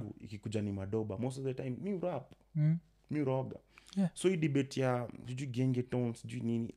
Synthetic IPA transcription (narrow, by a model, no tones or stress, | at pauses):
ɡṵḭkikud͡ʒanimaɗɔɓamɔs̬ɔvdɛtajmːiuɾap | miuɾɔɡa̰sɔidibɛtijasid͡ʒuiɡɛŋɡɛtɔnsid͡ʒuinini